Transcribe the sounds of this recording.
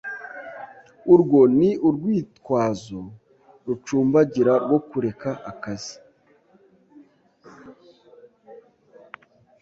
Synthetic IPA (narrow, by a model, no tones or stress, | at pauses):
uɾɡo̞niʔuɾɡwiːtkwaːzo̞ | ɾut͡ʃuːmbaɟiɾaɾɡwo̞kuɾe̞kaʔakazi̥